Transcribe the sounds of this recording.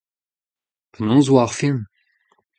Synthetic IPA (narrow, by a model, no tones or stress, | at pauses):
pənɑ̃zwaʁfin